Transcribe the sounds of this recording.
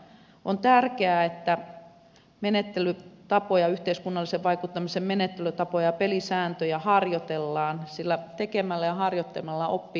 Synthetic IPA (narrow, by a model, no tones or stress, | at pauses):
ʔont̪ærkeæet̪ːæ | menet̪ːelyt̪ɑpojɑyht̪eiskunːɑlːiseʋʋɑikut̪ːɑmisemmenet̪ːelyt̪ɑpojɑpelisæːnt̪øjæhɑrjot̪elːɑːnsilːæt̪ekemælːæjɑhɑrjot̪ːel̆mɑlːɑopːi